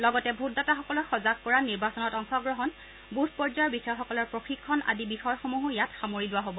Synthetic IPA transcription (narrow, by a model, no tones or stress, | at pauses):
lɔɡɔtɛbʱut̚dataxɔkɔlɔxɔzak̚kɔɹaniɹbasɔnɔtɔŋxɔɡɹɔɦɔn | buspɔɹzabisaxɔkɔlɔɹpɹoxikʰːɔna̰dibixɔjxomuɦʊjatxamoɹilʊwaɦobɔ